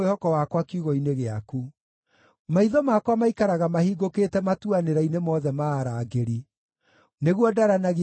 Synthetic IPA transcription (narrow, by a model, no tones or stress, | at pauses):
ehɔkɔwakwakiuɣɔineɣeaku | maiðɔmakwamaikaɾaɣamahiɡoketɛmatuaneɾainemɔðɛmaːɾaːɡeɾi | neɣwɔdaɾanaɣ